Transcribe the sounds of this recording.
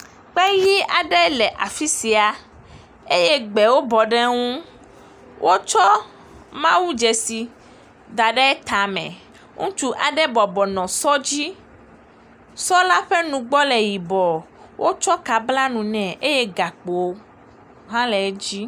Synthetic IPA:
k͡pɛ˦ji˦a˨ɖɛ˦lɛ˨ʔa˨fi˦si˨a˨ | e˦je˦ɡ͡bɛ˨wo˦bɔ˨ɖɛ˦ŋũ˦ | wʔo˦t͡ʃɔ˦ | mã˦wu˦d͡ʒɛ˨si˨ | d̪a˨ɖɛ˦e˦t̪a˨mɛ̰̃˨ | ŋṵ̃˦t͡ʃu˦ʔa˨ɖɛ˦bɔ˨bɔ˨nɔ̃˨sɔ˦d͡ʑi˦ | sɔ˦la˦ɸɛ˦nũ˨ɡ͡bɔ˦lɛ˨ji˨bɔ˨ | wʔo˦t͡ʃɔ˦ka˨bla˦nũ˨nɛ̃˨ʔe˦je˦ɡa˨k͡po˨˦ | ɦã˦lɛ˨˦d͡ʑi˦

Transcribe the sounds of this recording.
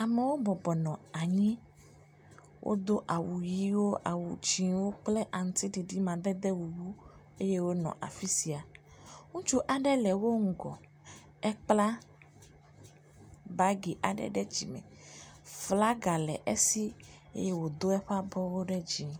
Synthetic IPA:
a˨me˨wo˦bɔ˨bɔ˨nɔ̃˨a˨ɲĩ˦ | wʔo̰˦d̪o˦ʔa˨wu˨ji˦wo˦ʔa̰˨wu˨t͡ʃi˨wo˦k͡plɛ˦ʔa˨ŋ̩̃˦t̪i˦ɖi˨ɖi˦mã˨d̪ɛ˦d̪ɛ˦wu˨wu˦ | e˦je˦wo˦nɔ̰̃˨ʔa̰˨fi˦si˨a˨ | ŋũ˦t͡ʃu˦ʔa˨ɖɛ˦lɛ˨wo˦ŋ̩˨ɡɔ̰˨ | ɛ˦k͡pla˦ | ba˨˦ɡi˨ʔa˨ɖɛ̰˦ɖɛ˦d͡ʑi˨mɛ̰˨ | fla˦ɡa˨lɛ̰˨ʔe˦si˦ḛ˦je˦wo˨d̪o˦ɛ˦ɸa˦bɔ˦wo˦ɖɛ˦d͡ʑi˨˦

